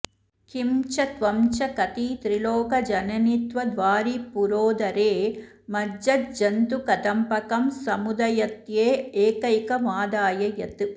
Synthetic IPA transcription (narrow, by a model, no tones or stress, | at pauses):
kimt͡ʃɐt̪ʋɐmt͡ʃɐkɐt̪it̪ɾiloːkɐd͡ʒɐnɐnit̪ʋɐd̪ʋaːɾipuɾoːd̪ɐɾeː | mɐd͡ʒɐd͡ʒɐnt̪ukɐt̪ɐmpɐkɐmsɐmud̪ɐjɐt̪jeːeːkɐjkɐmaːd̪aːjɐjɐt̪ɯ